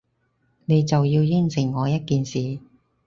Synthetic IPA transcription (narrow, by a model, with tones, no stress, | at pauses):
ne˨˧jt͡sɐ˨wjiː˧wjɪ˥ŋsɪ˨˩ŋːɔː˨˧jɐ˥t̚kiː˨nsiː˨